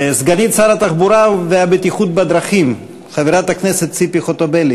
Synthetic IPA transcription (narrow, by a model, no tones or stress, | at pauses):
sɡanit̪t͡ssaɾat̪aχbuɾaveabet̪iχut̪̚bad̪ɾaχim | χaviɾat̪akneset̪t͡sipiχot̪obeli